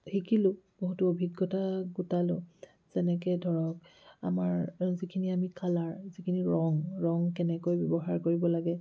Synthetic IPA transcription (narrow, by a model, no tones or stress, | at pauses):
hikilʊboɦutuobʱiɡːɔtaɡutalʊ | z̥ɛnɛk̬ɛdʱɔɹɔka̰maɹzikʰiniamikʰalaɹzikʰiniɹɔŋɹɔŋkɛnɛkojbjɔbɔɦaɹkoɹibɔlaɡɛ